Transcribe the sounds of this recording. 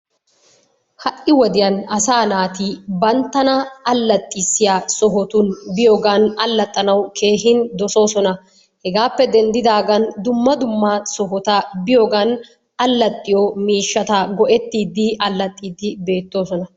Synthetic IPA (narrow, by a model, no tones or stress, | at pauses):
hɐʔʼɪwɔd̪ɪjɐnɐsaːnaːt̪ibɐnt̪ːɐnɐːlːɐt̪ʼːɪsːɪjaːsɔɦɔt̪ʊnbɪjoːɡɐnɐlːɐt̪ʼːɐnɐwkʰe̞ːhɪnd̪ɔso̞ːsɔnɐ | hɛɡaːpːɛd̪ɛnd̪ɪd̪aːɡɐnd̪ʊmːɐd̪ʊmːɐsɔɦɔt̪ɐbɪjoɡɐn | ɐlːɐt̪ʼːɪjɔmiːʃːɐt̪ɐɡɔʔɛt̪ːiːd̪ɪʔɐlːɐt̪ʼːiːd̪ɪbe̞ːt̪ːo̞ːsɔnɐ